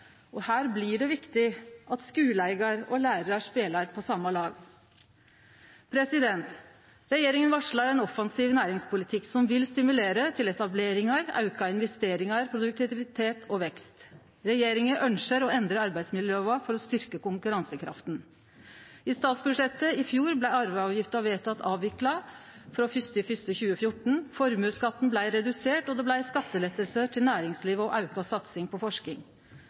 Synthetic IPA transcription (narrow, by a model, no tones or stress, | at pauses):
ɔhæːɾblɪɖɛʋɪkt̪ɪʔɑt̪skʉːlæɪɡɑɾɔlæːɾəɾɑʂpeːlɑɾpʰɔsɑmːɑlɑːɡ | pʰɾɛsɪd̪ɛnt̪ | ɾɛjeːɾɪŋənʋɑʂɭɑɾɛnɔfɑnsiːʋnæːɾɪŋspʰʊlɪt̪ʰɪksɔmʋɪlst̪ɪmʉleːɾət̪ʰɪlɛt̪ɑbleːɾɪŋɑɾɑ̰ʉkɑɪnʋɛst̪eːɾɪŋɑɾpʰɾʊd̪ʉk̚t̪ɪt̪ɪʋɪt̪ʰeːt̪ʰɔʋɛkst̪ | ɾɛjeːɾɪŋəʔœnʂəɾɔɛnd̪ɾəɑɾbæɪsmɪljøːɑfɔɾɔst̪ʏɾkəkʊŋkʉɾɑnsəkʰɾɑ̰ft̪n | ɪst̪ɑːt̪sbʉʂɛt̪ːəɪfjuːɾblæɪɑɾʋɑʋjɪft̪əɑʋeːt̪ʰɑt̪ʰːɑːʋʋɪklɑ | fɾoːfʏst̪ɪfʏst̪əçʉːəfjʊʈɳ̩fɔɾmʉːskɑt̪ːn̩blæɪɾɛd̪ʉseːʈɔd̪ɛblæɪskɑt̪ːəlɛt̪ːəlsəʈʰɪlnæːɾɪŋsliːʋəɔʔɑʉkɑsɑt̪sɪŋpʰɔfɔʂkɪŋ